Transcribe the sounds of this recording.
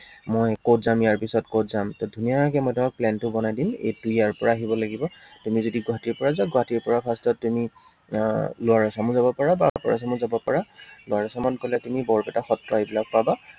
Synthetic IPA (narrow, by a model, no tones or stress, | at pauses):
mɔjkotzamjaɹpisɔtkotzamtɔdʱunijakɛmɔjtʊmak̚plɛntʊbɔnajdimḛjtujaɹpɔɹaːɦibɔlaɡibɔtumizodiɡʊɦatiɹpɔɹazaɡʊɦatiɹpɔɹapʰastɔttːumi | lʊaɹasamʊzabɔpaɹabapɔɹas̬amʊzabɔpɔɹalʊaɹasamankolatumibɔɹbɛtaxɔtɹɔebilak̚paba